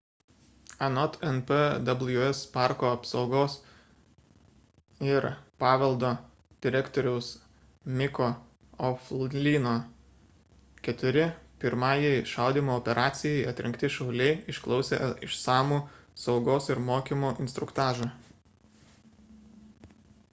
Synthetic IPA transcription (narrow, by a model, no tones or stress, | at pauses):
ɐnɔt̪ɛnpɛd̪ɐblˠjʊɛspɑˑɾkoːɐpsɒʊɡoːs | ɪɾpɑːʋʲɛlˠd̪oː | d̪ʲɪɾʲɛkt̪ɔɾʲɛʊs | mʲɪkoː | ɔfllʲiːnoː | kʲɛt̪ʲʊɾʲɪpʲɪɾmɑːjɛɪʃɑˑʊd̪ʲiːmoːɔːpʲɛɾʔɑːt̪sʲɪjɛɪɐt̪ʲɾʲɪŋkt̪ʲɪʃɐʊlʲɛɪɪʃklˠɒʊsʲḛːɪʃsɑːmuːsɒʊɡoːsɪɾmoːkʲimoːʔɪnst̪ɾʊkt̪ɑːʒɐ